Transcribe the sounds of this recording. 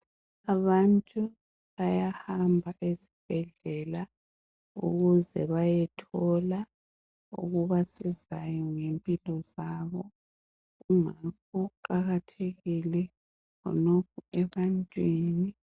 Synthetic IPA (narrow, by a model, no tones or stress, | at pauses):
aβantʼu | βajahambʱaʔezib̥ʱɛɮɛla | ṵɣuzɛβajɛtʰɔla | ṵɣuβasizajɔŋempʼilɔzaːβɔ | uŋakuǃaɣatʰeɣilɛ | kʰɔ̰nokʰuɛβantʼwiːni